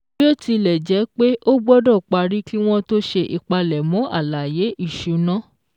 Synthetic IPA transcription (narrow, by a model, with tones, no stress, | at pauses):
o˦ti˧lɛ˨d͡ʒɛ˨˦k͡pe˦ʔo˦ɡ͡bɔ˦dɔ̃˦˨k͡pa˧ɾi˦ki˦w̃ɔ̃˦to˦ʃe˧ʔi˨k͡pa˧lɛ˨mɔ̃˨˦ʔa˦˨la˨je˨˦ʔi˦˨ʃu˨nã˦